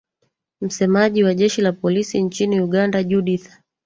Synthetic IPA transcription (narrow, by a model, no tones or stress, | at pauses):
m̩sɛmaʄiwaʄɛʃilapɔlisiɲt͡ʃiniuɠandaʄuɗiθḁ